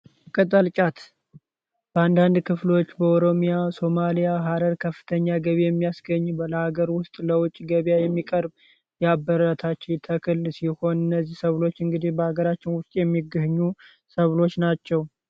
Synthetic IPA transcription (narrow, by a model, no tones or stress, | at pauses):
kʼət̪ʼəlt͡ʃʼat̪ | b̥əand̪and̪kʰɨflo̞t͡ʃːbəoɾo̞mijaso̞malijaɦaɾəɾkʰəfːɨ̥t̪ʰəɲːaɡəβejɛmːijasɡəɲːbələhaɡəɾwʊst̪ʼləwʊt͡ʃʼɡəβjajɛmːikʼəɾb | jabːəɾət̪ʰat͡ʃːɪt̪ʰəkʰɨlsiho̞nɨnːəzːihsəβlo̞t͡ʃːɨŋɡɨd̪ihbəhaɡəɾat͡ʃːɪnwʊst̪ʼjɛmːiɡɨhɲːu | səβlo̞t͡ʃːnat͡ʃːɛw